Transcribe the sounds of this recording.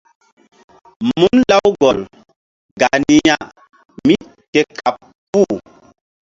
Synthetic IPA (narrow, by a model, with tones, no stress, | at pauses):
mu˦nla˦wɡɔ˨l | ɡa˨ni˦ja˦ | mi˦ | ke˦ka˨p | pu˦˨